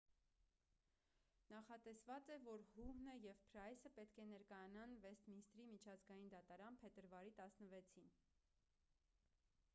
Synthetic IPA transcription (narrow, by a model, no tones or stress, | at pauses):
nɑχɑt̪ɛsvɑt͡sɛvɔɾhuhnəjɛvpʰɾɑjsəpɛt̪kʰɛnɛɾkɑjɑnɑnvɛst̪minst̪ɾimit͡ʃʰɑzɡɑjind̪ɑt̪ɑɾɑnpʰɛt̪əɾvɑɾit̪ɑsnəvɛt͡sʰin